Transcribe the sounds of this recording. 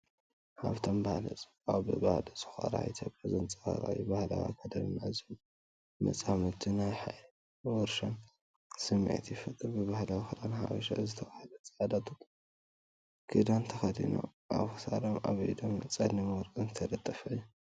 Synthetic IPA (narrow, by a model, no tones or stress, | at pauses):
ha̰βt̪ʰombahlɐt͡sʼɨabɨbahlɐt͡sʼɨ̥xɐ̰ɾa̰jit̪ʰobʼazɐnt͡sʼɨɐ̰ɾa̰jibahla̰wa̰kʰɐd̪ɐmɨnazon | mɐ̰t͡sʼamɨt̪ʰːinajħaj | wɔɾʃan | sɨmʕḛt̪jɪfɐt̪ʼːɨɾbɨbahlawixɨd̪anha̰wɐʃa̰zɨt̪ʰɐbahlɐt͡sʼɐad̪at̪ʰu | kʰid̪ant̪ʰɐxɐd̪ḭno̰ʔa̰βxɨ̥saɾoma̰βid̪omt͡sʼɐnɨmɐwɾkʼɨnt̪ʰɐd̪ɐt̪ʼːɐfɐjːu